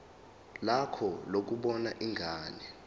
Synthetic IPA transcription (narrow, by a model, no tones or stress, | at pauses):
lakʰɔlok̬uɓɔna̰ʔiŋʱaːnɛ